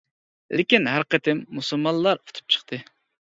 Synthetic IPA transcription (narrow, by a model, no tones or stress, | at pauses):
lɪkʲinɦæɾqət̪ʰɪmːusɨlˠmɑnlːˠɑɾu̥t̪ʰu̥p̚t͡ʃʰə̥χqt̪ʰɨ